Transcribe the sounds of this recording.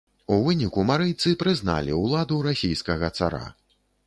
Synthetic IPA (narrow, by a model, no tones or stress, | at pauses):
uvɨnʲikumaɾɨjt̪sɨpɾɨzna̰lʲiwlˠad̪uɾasʲijskɐɣɐt̪sa̰ɾa̰